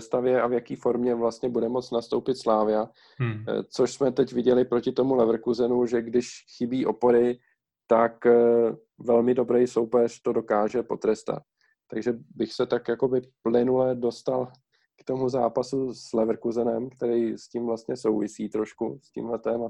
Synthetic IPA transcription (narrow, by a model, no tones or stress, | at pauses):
st̪avjɛʔavjakiːfo̞ɾmɲɛvlast̪ɲɛbudɛmo̞t͡snast̪o̞wpɪt̪slaːvɪa | t͡so̞ʃsmɛt̪ɛcvɪɟɛlɪpɾocɪt̪omulɛvɾkuzɛnuʒɛɡdɪʃxɪbiːʔo̞po̞ɾɪ | t̪ak | vɛlmɪdo̞bɾɛjso̞wpɛr̥t̪o̞do̞kaːʒɛpo̞t̪ɾɛst̪a̰t̪̚ː | aɡʒɛbɪxsɛt̪akjako̞bɪplɪnulɛdo̞st̪al | kt̪o̞muzaːpasuslɛvɾ̩kuzɛnɛmkt̪ɛɾɛjscimvlast̪̚ɲɛso̞wvɪsiːt̪ɾo̞ʃkuscḭːmɦlɛt̪ɛːma